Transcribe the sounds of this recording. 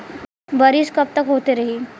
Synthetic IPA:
bəɾiːskəp̚t̪əkɦot̪eɾəɦiː

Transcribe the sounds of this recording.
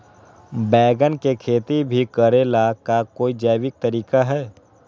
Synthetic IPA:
bɛːɡənkekʰeːt̪ibʱikəɾeːlakakoːid͡ʒɛːʋɪk̚t̪əɾiːkaɦɛː

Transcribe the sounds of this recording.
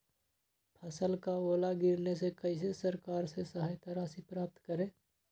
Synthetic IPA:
pʰɐsəlkaoːlaɡɪɾnesekəɪs̬esəɾkaːɾsesəɦaːjt̪əɾasipɾaːp̚t̪kəɾẽː

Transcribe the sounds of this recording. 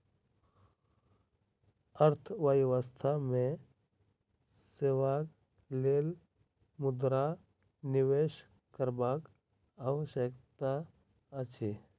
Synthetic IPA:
əɾt̪ʰʋəjʋəst̪ʰamẽ | seːʋaːk | leːl | mʊd̪ɾa | nɪʋeːʃ | kəɾbaːk | aːʋəʃjəkt̪a | ət͡ʃʰiː

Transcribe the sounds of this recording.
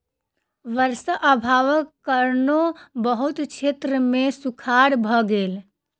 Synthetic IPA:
ʋəɾsəʔəbʱaʋəkːəɾnobəɦut̪t͡ʃʰet̪ɾəmesukʰaɽbʱɔɡeːl

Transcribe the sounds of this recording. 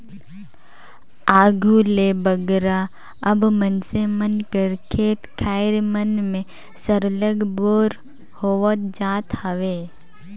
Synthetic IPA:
aːɡʱulebəɡɾa | ɐbmənsemənkəɾkʰeːt̪kʰaːɪɾmənmẽ | səɾləɡboːɾ | hoːʋət̪̚d͡ʒaːt̪həʋeː

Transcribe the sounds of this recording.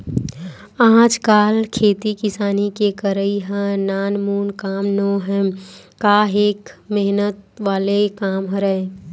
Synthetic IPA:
ãːd͡ʒkaːlkʰeːt̪ikɪsaːnikekəɾəiɦə̃naːnmuːnkaːmnoɦɛ̃kaɦeːkmeɦnət̪ʋaːlekaːmɦoɾəe

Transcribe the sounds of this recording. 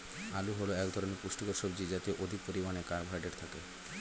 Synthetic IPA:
aluɦoloɛkd̪ʱɔɾonepuʃʈokoɾʃɔbd͡ʑid͡ʑat̪eʔod̪ʱik̚poɾimanekaɾbʱajɖeɽt̪ʰake

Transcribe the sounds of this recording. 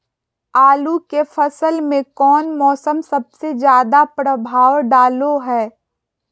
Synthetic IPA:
aːlukefɐsəlmẽkɔːnmɔːsəmsɐb̚sezjaːd̪apɾəbʱaːwɖaːloɦɛː

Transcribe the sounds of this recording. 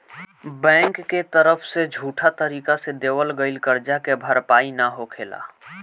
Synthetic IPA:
bɛ̃ːŋkːet̪əɾəpʰsed͡ʒʱuːʈʰat̪əɾiːkased̪eːwəlɡəɪlkəɾd͡ʒakebʱəɾpaːinaɦokʰeːla̰ː

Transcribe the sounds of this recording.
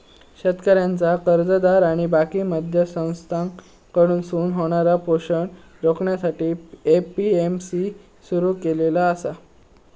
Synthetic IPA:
ɕət̪kəɾjant͡sakəɾd͡zəd̪aɾaɽ̃ibakiːməd̪ʱjəsə̃w̃st̪ʰaŋ | kəɽuːnsuːnɦoɽ̃aɾapoɕəɳ | ɾokɳjasaʈiːepiemsi | suɾuːkelelaəsa

